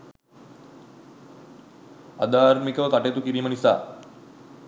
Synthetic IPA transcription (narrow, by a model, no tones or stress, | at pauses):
a̰d̪aːɾmikəʋəkaʈet̪ukiɾiːmənisa̰ː